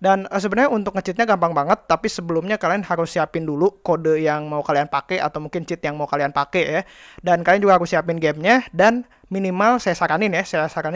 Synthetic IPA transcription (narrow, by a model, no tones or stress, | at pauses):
danəs̬əbənarɲaunt̪ʊkŋət͡ʃɪt̪̚ɲaɡampaŋbaŋət̪ːapisəbəlumɲakalianhaɾʊsːiapɪndulukodəjaŋmaukalianpakɛʔa̰t̪awmuŋkɪnt͡ʃɪt̪̚jaŋmaukalianpakɛjadankaliand͡ʒuɡahaɾʊsiapɪnɡɛmɲadan | minimalsajasaɾanɪnjasajasaɾan